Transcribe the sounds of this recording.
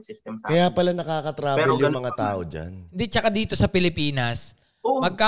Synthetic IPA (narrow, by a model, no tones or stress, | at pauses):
kɐjaːpɐlanɐkaːkɐt̪ɾaːbɪljʊŋmɐŋat̪aːʔod͡ʒa̰nɪnd̪ɪt͡ʃɐkad̪iːt̪o̞sɐpɪlɪpiːnɐs | mɐɡ̚ka